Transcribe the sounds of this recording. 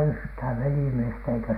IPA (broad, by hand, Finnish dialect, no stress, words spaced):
yhthæʋ ʋelimiestæ eikæ